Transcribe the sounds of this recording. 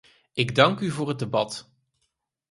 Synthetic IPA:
ɪɡdɑŋkyvʊːɹɦəd̚dəbɑt

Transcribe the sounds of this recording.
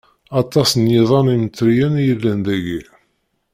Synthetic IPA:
ɑt̪ˤːɑsnjiðˤɑnimət͡sːɾijænjəlːænd̪æɡi

